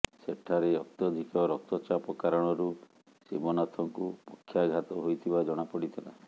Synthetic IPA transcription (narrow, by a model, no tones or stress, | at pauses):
seʈʰaɾeɔk̚t̪ɔd̪ʱikɔɾɔk̚t̪ɔt͡ʃapɔkaɾɔɽ̃ɔɾu | simɔnat̪ʰɔŋkupɔkʰːjaɡʱat̪ɔɦojt̪ʰibad͡ʒɔɽ̃apɔɽit̪ʰɔlã̰